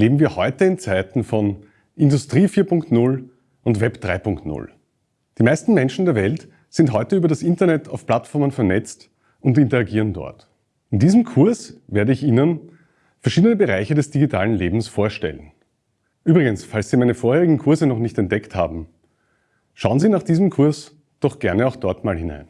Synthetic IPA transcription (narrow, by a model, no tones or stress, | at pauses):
leːbm̩viːɐhɔʏtəɪnt͡saɪtn̩fɔn | ʔɪndʊstʁ̥iːfiːɐpʰʊŋktnʊl | ʔʊntvɛbd̥ʁa̰ɪpʊŋktnʊ̰l | d̥iːmaɪstn̩mɛnʃn̩deːɐvɛlt | z̥ɪntɦɔʏtəyːbɐɾasʔɪntɐnɛtʰaʊfplatfɔɐmənfɛɐnɛt͡st | ʔʊntɪntɐaɡiːʁəndɔ̰ɐt | ɪndiːzəm̩kʰʊɐsveːɐɾəɪçiːnən | fɛɐʃiːdənəbəʁaɪçədɛsd̥iɡitʰa̰ːlənleːbm̩sfoːɐʃtɛ̰lən̩ | ʔyːbʁɪɡənsfalsz̥iːmæɪnəfoːɐheːʁɪɡŋ̩kʰʊɐzənɔχnɪçtɛnt̚d̥ɛktha̰ːbm̩ | ʃaʊənziːnaːχd̥iːzm̩kʰʊɐs | d̥ɔχɡ̥ɛɐnəaʊxd̥ɔɐtmaːlhɪna̰ɪn